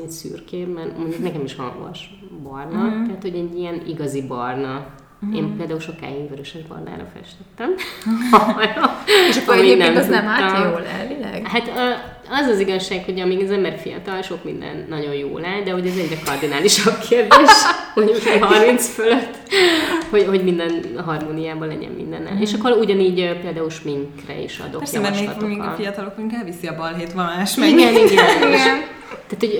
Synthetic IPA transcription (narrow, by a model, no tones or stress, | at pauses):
ɛcsy̰ːrkeːbbɛnmo̞ɲɟuknɛkɛmiʃhɒ̰ŋɡɒ̰ʃ | bɒrnɒt̪ɛɦat̪ho̞ɟɛɟːijɛniɡɒzibɒrnɒ | eːmpeːld̪aːulʃo̞ka̰ːinvøɾøʃɛʒbɒ̰rna̰ːɾɒ̰fɛ̰ʃt̪ɛt̪ːɛm | ɒoʃmiɡnɛmɛmaolɛ̰lvilɛ̰ɡhat̪ː | ɒzɒziɡɒʃːaːkho̞ɟɒmiːɡɒzɛmbɛrfḭjɒ̰t̪ɒlʃo̞kmḭnd̪ɛ̰nːɒɟo̞jjo̰ːlaːd̪ɛho̞ɟɛzɛɟrɛkɒrd̪inaːliʃɒb̚kʰeːrd̪eːʃhoɲkɛɦɒrmint̪sføløt̪ːho̞ɟho̞ɟmind̪ɛnɦɒrmoːnijaːbɒlɛ̰ɟɛ̰mmḭnd̪ɛ̰nɛ̰eːʃɒkːoɾuɟɒniːɟøpeːld̪aːulʃmiŋkrɛ̰ḭʃɒ̰d̪oɛemiŋkfijɒt̪ɒlok̚mɛɡyŋkɛlvisiɒbɒlɦeːt̪ʋɒlmaːʃmɡɛniɡɛiɡɛn | t̪aːt̪hoɟ